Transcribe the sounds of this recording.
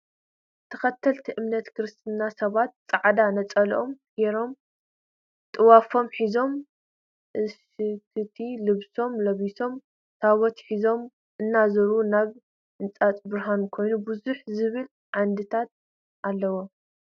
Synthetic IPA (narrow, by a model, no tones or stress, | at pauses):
t̪ʰɐ̥xɐt̪ʰːɐlt̪ʰiʔɨmnɐt̪kʰɨɾɨst̪ʰɨnːasɐβat̪̚t͡sʼaʕd̪anɐt͡sʼɐlʔo̞mɡ̥eɾo̞m | t̪ʼɨwafo̞mħizo̞m | ʔɨʃɨkʰɨt̪ʰilɨβso̞mlɐβiso̞m | t̪ʰaβɔt̪ħizo̞m | ʔɨnːazɐɾunaβ | ɨnt͡sʼat͡sʼbɨɾɦankʰo̞jnubuzuħzɨβɨl | ʕand̪ɨt̪ʰat̪̚ | ʔalːɐwo